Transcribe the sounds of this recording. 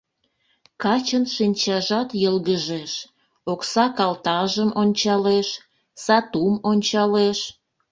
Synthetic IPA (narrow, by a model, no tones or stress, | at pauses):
kɑt͡ɕənʃinʲt͡ɕɑʒɑt̪jəlɣəʒeʃ | oksɑkɑlt̪ɑʒəmʔonʲt͡ɕɑleʃ | sɑt̪umonʲt͡ɕɑleʃ